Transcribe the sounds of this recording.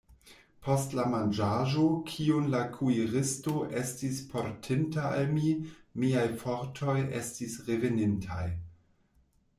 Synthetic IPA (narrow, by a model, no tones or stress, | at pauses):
pʰostlamand͡ʒaʒokʰionlakʰuiʁɪsto̞ʔestispʰoɾtʰintaʔa̰lmimiajfoɾtʰo̞jḛstisʁevenintʰaj